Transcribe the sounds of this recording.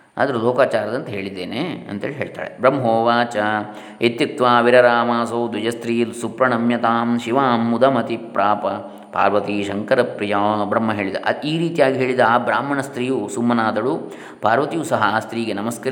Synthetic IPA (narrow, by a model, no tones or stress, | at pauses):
a̰ːd̪ɐɾuloːkaːt͡ʃaːɾɐd̪ɐnt̪ɐɦe̞ːɭid̪ːeːneːɐ̰nt̪ɐḛːliɦeːɭt̪a̰ːɭebɾɐmːɐɦoːʋaːt͡ʃɐ | et̪jɐk̚t̪ʋaːʋiɾɐɾaːmaːsoːd̪ɐd͡ʒɐst̪ɾiːlsupɾɐɳɐmjɐt̪aːmʃiʋaːmːud̪ɐmɐt̪ipɾaːpɐ | pa̰ːɾʋɐt̪iʃɐŋkɐɾɐpɾijaːbɾɐmːɐɦeːɭid̪ɐ̰ʔɐiːɾiːt̪ijaːɡiɦeːɭid̪ɐaːbɾaːmɐɳɐst̪ɾiːjusumːɐnaːd̪ɐɽu | paːɾʋɐt̪ijusɐɦɐːst̪ɾiːɡenɐmɐskɐɾ